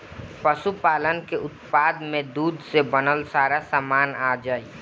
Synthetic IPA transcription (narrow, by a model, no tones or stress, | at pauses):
pəʃupaːlənkeʔʊt̪paːd̪mẽd̪uːd̪ʱsebənəlsaːɾasamaːnaːd͡ʒaːi